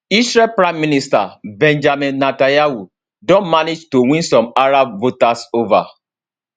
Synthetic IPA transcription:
isɹɛlpɹãɪ̃mːinista̰bɛ̃nd͡ʒamĩnːatajawu | dɔ̃nmaned͡ʒtowĩnsɔ̃maɹabvotasova̰

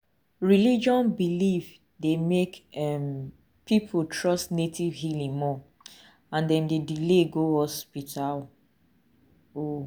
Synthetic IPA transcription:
ɹilid͡ʒɔ̃nbilif | demekɛm | pipʰutʰɹɔstnetʰivɦilĩŋmɔ | ãndɛ̃mdedileɡohɔspitʰal | o

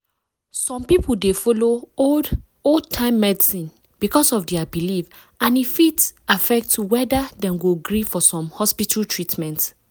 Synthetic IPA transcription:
sɔ̃mpipul̩defolood | od̚tʰãɪ̃mːɛdisĩn | b̥ikɔsɔfdɛabilif | ãnifitafɛk̚tuwɛdadɛ̃mɡoɡɹifɔsɔ̃mhɔspitʰaltʰɹitmɛ̃nt

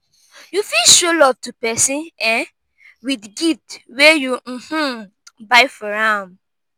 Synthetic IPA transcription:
jufilʃolɔv̥tupɛsĩnɛ̃ | widɡitwɛjum̩h̩ | baɪfɔɹãm

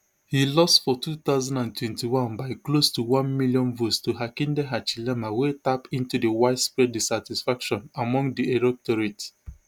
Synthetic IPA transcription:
hilɔstfɔtut̪aʊzãndãntwɛ̃ntiwãnbaɪklostuwãnmiljɔ̃nvostuɦakĩndeɦat͡ʃilɛmawetapĩntudewaɪdspɹɛd̚disatisfakʃɔ̃namɔ̃ŋdieɹɔk̚tɔɹets

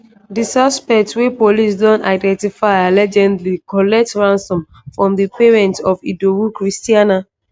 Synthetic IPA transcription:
disɔspɛk̚tswipolis̬dɔ̃ntaɪdɛ̃ntifaɪalɛd͡ʒɛ̃ndlikɔlɛk̚tɹãnsɔ̃m | fɹɔ̃mðipeɹɛ̃ntɔfidowukɹistiana

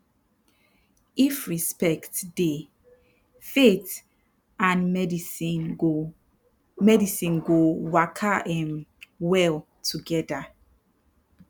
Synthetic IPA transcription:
ifɹispɛktde | fet | ãnmɛdii | mɛdisĩnɡowakʰaɛ̃mwɛl | tʰuɡɛda

